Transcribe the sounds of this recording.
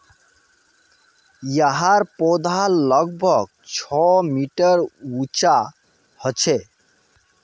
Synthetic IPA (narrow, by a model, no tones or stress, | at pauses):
jəɦaɾpod̪ʱalʌɡ̚bʱʌɡ̚ | t͡ʃʰɔmiʈəɾut͡ʃa | hət͡ʃʰe